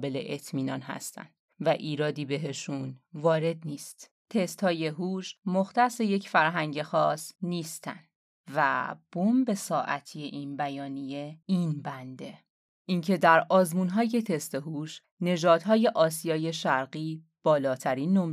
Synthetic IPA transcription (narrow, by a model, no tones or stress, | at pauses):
be̞lḛʔet̪ʰmiːnɒ̰ːnhæ̰st̪ʰæ̰nd̪̥ | væʔiːɾɒːd̪iːbe̞ɦe̞ʃunvɒːɾe̞d̪niːst̪ | t̪ʰe̞st̪hɒːje̞ɦuːʃmoxt̪æse̞je̞cʰfæɾɦæŋɟe̞xɒːsniːst̪ʰæ̰nd̪ | væ̰b̥ombe̞sɒːʔæ̰t̪ʰijeʔiːnbæjɒːnije̞inbænd̪e̞ | ʔincʰe̞d̪æɾɒːzmunɦɒːje̞t̪ʰe̞st̪eɦuːʃ | ne̞d͡ʒɒːd̪ɦɒːje̞ʔɒːsijɒːje̞ʃæɾɢiː | b̥ɒːlɒːt̪ʰæɾiːnːom